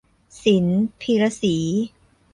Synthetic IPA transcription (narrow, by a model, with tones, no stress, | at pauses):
si˩˦npʰi˧ɾa˧siː˩˦